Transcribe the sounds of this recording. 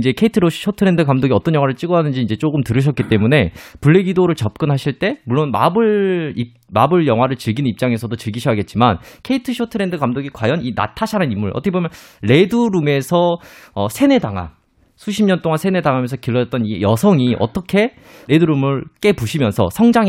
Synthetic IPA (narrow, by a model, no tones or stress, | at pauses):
ind͡ʑe̞kʰe̞itʰɯɾo̥ɕʰotʰɯɾe̞ndɯkamdoɡiʌt͈ʌnjʌŋwaɾɯɭt͡ɕ͈iɡʌanɯnd͡ʑiːind͡ʑe̞t͡ɕ͈oɡɯmtɯɾɯɕ̬ʰʌt̚k͈it͈e̞mune̞puɭːe̞ɡidoɾɯɭt͡ɕʌp̚k͈ɯnɦaɕʰiɭt͈e̞muɭːonma̰bɯɭi | mabɯɭjʌŋwaɾɯɭt͡ɕiɭɡinnip̚t͡ɕ͈aŋe̞s̬ʰʌdot͡ɕiɭɡiɕʰʌaɡe̞t̚t͡ɕ͈imankʰe̞itʰɯɕʰotʰɯɾe̞ndɯkamdoɡikwajʌnina̰tʰaɕʰanɯnimːuɭʔʌt͈ʰʌkʰebomjʌnɾe̞duɾume̞sʰʌʌsʰe̞ne̞daŋa̰n | sʰuɕʰimɲʌnt͈oŋansʰe̞ne̞daŋamjʌnsʰʌkiɭːʌd͡ʑʌt͈ʌnijʌsʰʌŋiʔʌ̰t͈ʌkʰe̞ | ɾe̞duɾumɯɭk͈e̞puɕʰimjʌnsʰʌ̰sʰʌŋd͡ʑaŋ